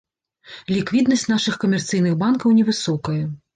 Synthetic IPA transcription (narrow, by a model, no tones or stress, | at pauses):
lʲikvʲid̪nɐsʲtʲt͡sʲnaʂɨxkɐmʲɛrt̪sɨjnɨxbankɐwnʲɛvɨsɔkɐjɐ